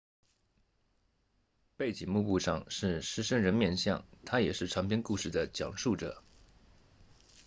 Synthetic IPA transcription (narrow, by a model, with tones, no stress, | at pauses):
pe˥˩ɪt͡ɕi˨˩ŋmu˥˧pu˥˧ʂɑ˥˧ŋʂɻ̩˥˩ʂɻ̩˥ʂə˥ŋɻə˧˥nmjɛ˥˧nɕjɑ˥˩ŋt̪ʰa˥jɛ˨˩ʂɻ̩˥˩ʈ͡ʂʰɑ˧˥ŋpʰjɛ˥nku˥˧ʂɻ̩˥˩d̪ə˩t͡ɕjɑ̰˨˩ŋʂu˥˩ʈ͡ʂɤ̰˨˩˦